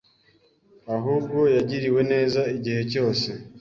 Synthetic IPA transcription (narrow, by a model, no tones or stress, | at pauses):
aɦuːbɡo̞jaɟiɾiwe̞ne̞ːzaiɟihe̞co̞ːse̞